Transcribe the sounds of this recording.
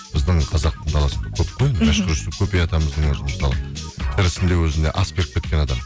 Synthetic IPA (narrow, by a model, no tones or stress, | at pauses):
b̥ɪzd̪ɪɴqʰɑzɑq̚t̪ʰəɴd̪ɑlˠɑsəəkʲʰɵp̚qʰojnmæʃt̪əɾɪsəkʲʰɵpejɑt̪ɑməzd̪əɴwɵʒəmst̪ɑlˠɑt̪ʰɪɾɪsɪnd̪ewɵzɪne̞ʔɑskʲeɾɪk̚kʲe̞t̪kʲe̞nɑd̪ɑm